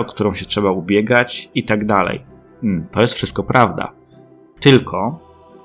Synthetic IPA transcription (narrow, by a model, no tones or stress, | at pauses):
ɔkt̪uɾɔ̃w̃ɕɛtʂɛbaubʲjɛɡat͡ɕit̪aɡd̪alɛ̰j̩ | t̪ɔjɛst̪fʂɘst̪kɔpɾavd̪a̰ | t̪ɘlkʰɔ